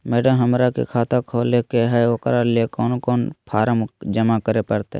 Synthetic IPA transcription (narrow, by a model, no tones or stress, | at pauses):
mɛːɖəmɦəmɾakḛkʰaːt̪akʰoːlekeɦɛokɾalekɔːnkɔːnpʰaːɾəmd͡ʒəmakəɾepɐɾt̪ḛ